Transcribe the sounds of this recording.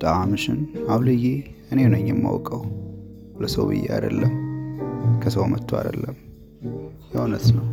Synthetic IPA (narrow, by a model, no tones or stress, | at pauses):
t̪ʼaamɨʃɪnawlɨjːe | ɨnenəjːɛmːa̰wkʼəw | ləsəwbɨ̰jːea̰d̪əlːəm | kʰəsəwmət̪ʰːoa̰d̪əlːəm | jawnəsnəw